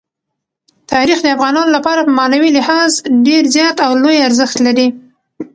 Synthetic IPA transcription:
t̪ɑɾixd̪əafɣɑnɑnolapɑɾapəmɑnawilɪhɑzɖeɾzjɑt̪awlojaɾzəxt̪laɾi

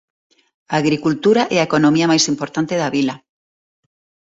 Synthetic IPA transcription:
aːɣɾikult̪uɾaʔɛaekonomiamajsimpoɾt̪ant̪eðaβila

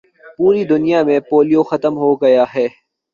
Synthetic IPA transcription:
puːɾid̪ʊnijamẽpoːlijoxɐt̪əmɦoɡɐjaɦɛː

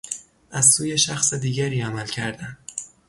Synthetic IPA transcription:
ʔæzsuːjeʃæxsed̪iːɟæɾiːæmælcʰæɾd̪æn

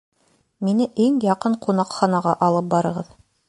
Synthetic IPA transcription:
minɘʔiŋjɑqɤɴqunɑqχɑnɑʁɑʔɑlˠɤp̚bɑɾɤ̆ʁɤð

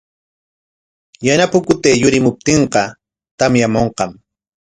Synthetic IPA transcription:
janapʊkʊt̪eːjʊɾɪmʊp̚t̪eɴqɑ | t̪amjamoɴqɑm

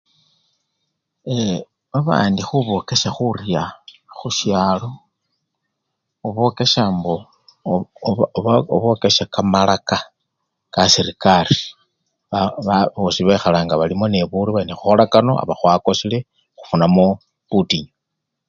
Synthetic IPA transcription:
e | βaβa̰ːndixuβo̞ke̞ʃaxurjaxuʃjaːlo̞ | oβo̞ke̞ʃaːmbo | oβo̞ke̞ʃakamalaka | kasiɾikari̥ | aβaβosiβexalaːŋɡaβalimo̞ne̞βuɾiβainexuxolakano̞̰a̰βaxwako̞sile̞ | xu̥funamo | putiɲo

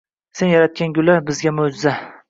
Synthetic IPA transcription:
se̞njaɾat̪̚kʲanɡʲʊlabɪzɡʲamod͡ʒɪza

